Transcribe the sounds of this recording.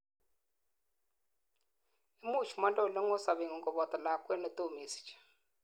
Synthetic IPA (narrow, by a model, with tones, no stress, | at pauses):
i˦mu˦˨t͡ʃu˨ma˦ndo˦˨lɔ˦ŋo˦sa˨βe˨ŋɔ˨ŋɡɔ˨βɔ˨t̪a˨la˨kwɛ˦nɔ˨t̪o˦˨me˨si̥˨t͡ʃḁ˨